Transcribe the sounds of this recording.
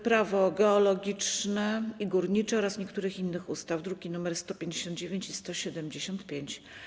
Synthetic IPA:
pɾavɔɡɛɔlɔɡʲit͡ʂnɛiɡuɾɲit͡ʂɛɔɾasɲɛkt̪uɾɘxinːɘxust̪avd̪ɾuɡʲinumɛɾst̪ɔpʲjeɲd͡ʑeɕɔnd̪d͡ʑevʲjeɲt͡ɕist̪ɔɕɛd̪ɛmd͡ʑeɕɔnt̪pʲjeɲt͡ɕ

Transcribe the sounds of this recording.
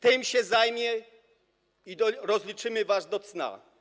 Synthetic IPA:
t̪ɪmɕɛzajmʲjɛ | id̪ɔɾɔzlʲit͡ʂɘmɘvasd̪ɔt̪sna̰

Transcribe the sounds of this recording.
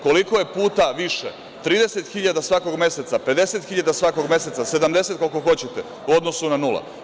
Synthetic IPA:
ko̞liko̞je̞puːt̪aʋiʃe | t̪ɾiːd̪ese̞t̪xiʎad̪asʋako̞ɡmje̞set̪sape̞d̪e̞se̞t̪xiʎad̪asʋako̞ɡmʲje̞se̞t̪sase̞d̪amd̪e̞se̞t̪kolko̞xo̞t͡ɕet̪e | uod̪no̞sunanulˠa̰

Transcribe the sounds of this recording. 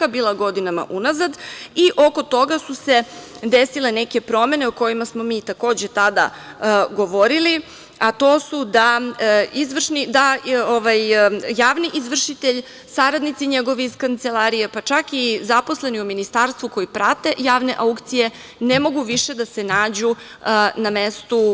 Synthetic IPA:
abiːlˠaɡo̞d̪inama̰ʔunazad̪iʔo̞ko̞t̪o̞ɡasuse̞d̪esile̞ne̞ke̞pɾo̞me̞ne̞oko̞jimasmo̞miːt̪ako̞ːd͡ʑe̞t̪ad̪a̰ɡo̞ʋo̞ɾili | at̪o̞ːsud̪a | izʋr̩ʃnid̪aoʋajjaːʋniʔizʋr̩ʃit̪eʎ | saɾad̪nit̪siɲeɡo̞ʋiiskant̪se̞lˠaɾijepat͡ʃakizapo̞sle̞niuminist̪aɾst̪ʋuko̞jipɾat̪e̞jaːʋne̞̰ʔaukt̪sije̞ | nemo̞ɡuʋiʃe̞d̪ase̞naːd͡ʑu | name̞st̪u

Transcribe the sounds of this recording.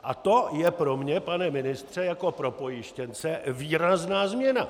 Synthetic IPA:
ʔat̪o̞jɛpɾo̞mɲɛpanɛmɪnɪst̪r̥ɛjako̞pɾo̞po̞jɪʃcɛnt͡sɛviːɾaznaːzmɲɛna

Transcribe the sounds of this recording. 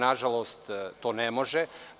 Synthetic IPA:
naʒalˠost̪t̪oːnemoʒe

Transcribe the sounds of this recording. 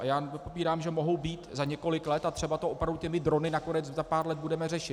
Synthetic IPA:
ʔajaːnɛopopiːɾaːmʒɛmoɦo̞wbiːt̪zaɲɛko̞lɪklɛt̪at̪r̝̥ɛbat̪oʔopɾavducɛmɪd̪ɾo̞nɪnako̞nɛt͡szapaːɾlɛd̪̚budɛmɛr̝ɛʃɪt̪

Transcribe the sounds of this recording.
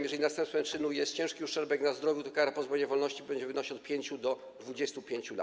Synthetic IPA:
mjɛʐɛlʲinast̪ɛ̃mpt̪fɛmt͡ʂɘnujɛst̪̚t͡ɕɛ̃ʂkʲiuʂɛɾbɛknazd̪ɾɔvjut̪ɔkaɾapɔzbɔɲɛvɔlnɔɕt͡ɕibɛɲd͡ʑɛmvɨnɔɕi̥ɔt̪pʲjeɲt͡ɕud̪ɔ | d̪vud͡ʑɛst̪upʲjeɲt͡ɕula̰

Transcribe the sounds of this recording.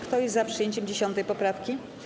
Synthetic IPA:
kt̪ɔjɛst̪zapʂɨjeɲt͡ɕɛmd͡ʑeɕɔnt̪ɛjpɔpɾafkʲi

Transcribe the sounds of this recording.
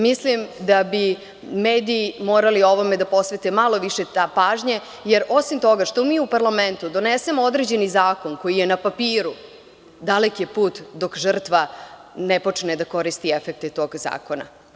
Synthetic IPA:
mislimd̪abi | meːd̪iːmoːɾalio̞ʋo̞med̪apo̞sʋe̞t̪emalo̞ʋiʃet̪apaːʒɲa | jeɾʔo̞simt̪o̞ɡaʂt̪o̞miːupaɾlament̪ud̪o̞nese̞mood̪ɾed͡ʑenizaːko̞nko̞jijenapapiːɾu | d̪alekjepuːt̪d̪o̞kʒ̩r̩t̪ʋa | nepo̞t͡ʂned̪ako̞ɾist̪iefek̚t̪et̪o̞ːɡza̰ːko̞na̰

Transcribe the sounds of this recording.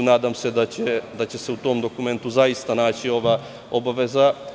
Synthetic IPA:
naːd̪amsed̪at͡ɕed̪at͡ɕeseut̪o̞md̪o̞kument̪uzaist̪anaːt͡ɕio̞ʋa | obaʋeza

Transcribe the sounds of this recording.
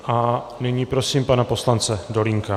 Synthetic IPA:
ʔa | niɲiːpɾo̞siːmpanapo̞slant͡sɛdo̞liŋka

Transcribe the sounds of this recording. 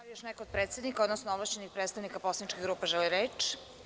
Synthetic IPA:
aijoʃnɛkood̪̚pɾet̪sed̪nikaod̪nosnoovlˠaʃt͡ɕenixpɾet̪st̪aʋnikaposlanit͡ʃkiɣɡɾuːpaʒɛliɾet͡ʃ

